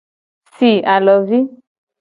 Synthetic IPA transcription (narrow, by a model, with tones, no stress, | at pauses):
si˨a˨lɔ˨vi˦